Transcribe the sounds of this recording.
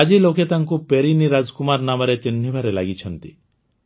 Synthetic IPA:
ad͡ʒiloket̪aŋkupeɾiniɾad͡ʒkumaɾnamɔɾet͡ʃinːibʱaɾelaɡit͡ʃʰʌnt̪i

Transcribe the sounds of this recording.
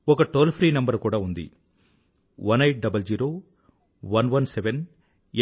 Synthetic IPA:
ɔkɐʈoːlpʰɾiːnɐmbɐɾkuːɽaːund̪ḭ | ʋɐnejʈ̚ɖɐbɐld͡ʒiːɾoː | ʋɐnʋɐnseʋen

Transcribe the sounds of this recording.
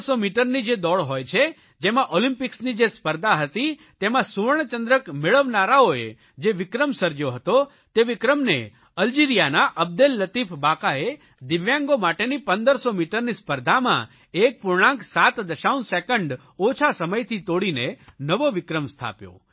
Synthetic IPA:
somiʈəɾnid͡ʒed̪ɔɭɦojt͡ʃʰe | d͡ʒemãʔɔlĩmpɪksnid͡ʒespəɾd̪ʱaɦət̪i | t̪emãsuɾɳt͡ʃənd̪ɾəkmeɭəʋnaɾaoe | d͡ʒeʋɪkɾəmsəɾd͡ʒjoɦət̪o | t̪eʋɪkɾəmne | əld͡ʒiɾijanaʔəb̚d̪elːət̪ifʰbakae | d̪ɪʋjãŋɡomaʈenipənd̪əɾsomiʈəɾnispəɾd̪ʱamã̰ | ek̚pʊɾɳãŋksat̪d̪əʃaunsekəɳɖ | ot͡ʃʰasəməjt̪ʰit̪oɽinenəʋoʋɪkɾəmst̪ʰa̰pjo̰

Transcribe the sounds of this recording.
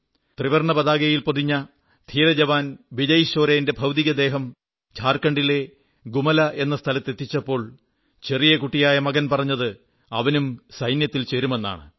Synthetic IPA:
t̪riʋɐrɳɐbɐðaːɡɐjilpoðiɲːɐ | t̪ʰiːɾɐd͡ʑɐʋaːnbid͡ʑɐjiɕo̞ːɾɐjinde̞bʱɐwd̪iɣɐd̪e̞ːɦɐm | t͡ɕʰaːrkɐɳɖile̞ | ɡumɐlɐʔe̞nːɐst̪ʰɐlɐt̪ːe̞t̪ːit͡ɕːɐpːo̞ːɭ | t͡ɕe̞rijekuʈːijaːjɐmɐɡɐnpɐrɐɲːɐðɨ | ɐ̰ʋɐnumsɐjnjɐt̪ːilt͡ɕe̞ɾume̞nːa̰ːɳɨ

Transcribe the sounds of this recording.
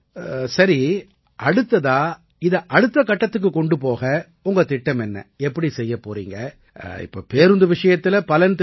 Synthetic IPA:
sɐɾi | ʔɐɽɯt̪ːɐðãː | ɪðɐʔɐɽɯt̪ːɐkɐʈːɐt̪ːɯk̬ːɯkɔɳɖɯpoːɣɐ | ʊŋɡɐt̪ɪʈːɐmɛnːɐ̰ɛpːɐɽisɛjːɐpːo̰ːɾḭːŋɡɐ | ɪ̰pːo̰ːpeːɾɯnd̪ɯʋɪʂɐjɐt̪ːɪlɐpɐlɐnt̪

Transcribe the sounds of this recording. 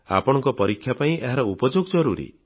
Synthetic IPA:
a̰pɔɽ̃ɔ̃ŋkɔpɔɾikʰːjapaĩʔeɦaɾɔupɔd͡ʒoɡɔd͡ʒɔɾuɾḭ

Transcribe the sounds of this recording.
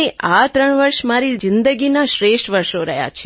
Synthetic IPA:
eʔat̪ɾəɳʋəɾʃmaɾid͡ʒɪnd̪əɡinaʃɾeʃʈʋəɾʃoɾə̰ɦja̰t͡ʃʰe

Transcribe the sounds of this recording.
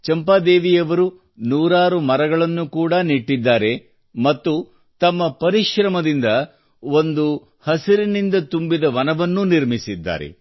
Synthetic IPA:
t͡ʃɐmpaːd̪eːʋijɐʋɐɾu | nuːɾaːɾumɐɾɐɡɐɭɐnːukuːɽɐniʈːid̪ːaːɾe̞ | mɐt̪ːu | t̪ɐmːɐpɐɾiʃɾɐmɐd̪ind̪ɐ | o̞nd̪u | hɐsiɾinind̪ɐt̪umbid̪ɐʋɐnɐʋɐnːuniɾmisid̪ːa̰ːɾḛ

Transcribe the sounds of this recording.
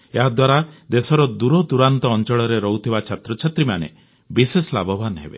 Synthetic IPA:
eɦad̪waɾad̪esɔɾɔd̪uɾɔd̪uɾant̪ɔːnt͡ʃɔɭɔɾeɾɔɦut̪ʰibat͡ʃʰat̪ɾɔt͡ʃʰat̪ɾimanḛ | bisesɔla̰bɔbʱanɦḛbḛ

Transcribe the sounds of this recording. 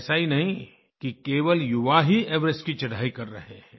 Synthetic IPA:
sainɐɦĩ | kikeːʋəljʊʋaɦiɛːʋɾəskit͡ʃɐɽ̤ʱaːikɐɾːɐ̰ɦeɦɛ̃

